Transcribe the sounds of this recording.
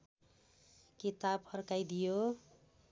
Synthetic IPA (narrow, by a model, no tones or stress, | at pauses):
kit̪ab̚pʰʌrkajd̪ijo